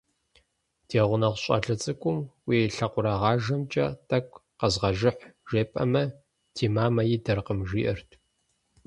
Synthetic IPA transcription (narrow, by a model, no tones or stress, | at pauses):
d̥ʰeːʁʷʊnɐʁʷɕʼɐ̰ɮɐt͡sʼɨkʷʼʊmwiːɬɐqʷʊɾɐʁɑːʒɐmt͡ʃʼɐ̰tʰʼɐkʷʼ | qɐzʁɐʒɪħʒeːpʼɐmɐ | dʰiːmaːmɐjiːdɐrqəmʒiːʔɐrtʰ